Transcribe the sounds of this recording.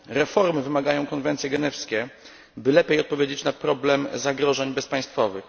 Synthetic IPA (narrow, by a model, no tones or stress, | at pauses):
ɾɛfɔɾmɘvɘmaɡajɔ̃w̃kɔn̪vɛnt̪sʲjɛɡɛnɛfskʲɛ | bɘlɛpʲejɔt̪̚pɔvʲjed͡ʑet͡ɕnapɾɔblɛmzaɡɾɔʐɛɲbɛspaj̃st̪fɔvɘx